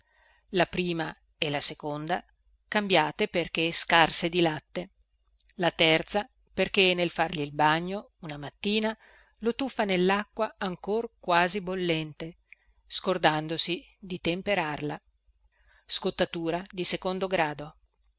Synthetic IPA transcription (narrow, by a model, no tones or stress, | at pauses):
lapɾiːma | elasekond̪a | kambjaːt̪eperk̟eskarsed̪ilat̪ːe | lat̪ɛrt̪sa | perk̟enːelfarʎiːlbaɲːo | unamat̪ːiːna | lot̪ufːanelːakːwaaŋkorkwaːzibolːɛnt̪e | skord̪and̪osi | d̪it̪empeɾarla | skot̪ːat̪uːɾad̪isekond̪oɡɾaːd̪o